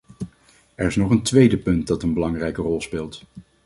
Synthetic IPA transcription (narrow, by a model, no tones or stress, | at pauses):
ɛɹɪsnɔχəntʋejdəpɵnt̚dɑtənbəlɑŋrɛjkərɔlˠspɪːlˠt